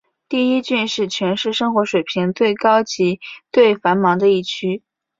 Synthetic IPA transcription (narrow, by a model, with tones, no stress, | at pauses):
t̪i˥˩i˥t͡ɕy˥˧nʂɻ̩˥˩t͡ɕʰɥɛ˧˥nʂɻ̩˥˩ʂɤ˥ŋxwɔ˧˥ʂwe˨˩ɪpʰi˧˥ŋt͡s̪we˥˩ɪkɑ˥ʊt͡ɕi˧˥t̪we˥˩ɪfa˧˥nmɑ˧˥ŋd̪ə˧i˥˩t͡ɕʰy˥